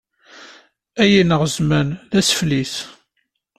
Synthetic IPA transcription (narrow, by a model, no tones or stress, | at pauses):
æjinəʁzmænðæsflis